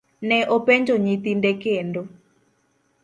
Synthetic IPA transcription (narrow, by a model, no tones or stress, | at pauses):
nɛʔopɛɲd͡ʒoɲit̪indekendo